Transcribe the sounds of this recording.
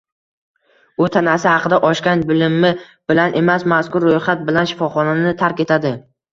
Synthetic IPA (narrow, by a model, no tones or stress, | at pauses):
ʊt̪ʰanasɪhɑqʰɨd̪aʔɒʃkʲanbɪlɪmːɪ | b̥ɪlanʔe̞masmaskʊɾːojχat̪̚bɪlanʃɪ̥fɒχɒnanɪt̪ʰaɾkʲe̞t̪ʰad̪ɪ